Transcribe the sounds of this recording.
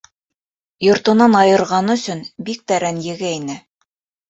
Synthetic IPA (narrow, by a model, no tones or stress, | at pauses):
jŏɾt̪ɤ̆nɑnɑjɤ̆ɾʁɑnɵ̆sɵnbik̚t̪æɾænjɘ̆ɡæinɘ